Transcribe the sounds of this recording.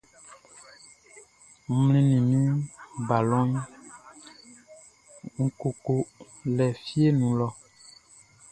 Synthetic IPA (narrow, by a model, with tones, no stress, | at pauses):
m̩˨˦mlĩ˦nĩ˨mĩ˦ba˨lɔ̃˦ɲ | ŋ̩˦ko˨ko˦ | lɛ˨fi˦e˦nũ˨lɔ˦